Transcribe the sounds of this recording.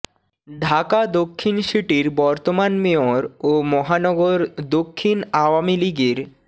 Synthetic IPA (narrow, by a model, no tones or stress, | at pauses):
ɖʱakad̪okʰːinʃiʈiɾbɔɾt̪omanmeoɾomɔɦanɔɡoɾd̪okʰːinaowamiliɡeɾ